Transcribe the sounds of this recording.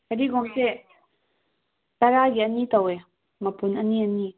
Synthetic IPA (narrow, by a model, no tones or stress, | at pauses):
kəɾiɡɔŋseʔ | t̪aɾaɡiʔənit̪awe | məpunənːiəni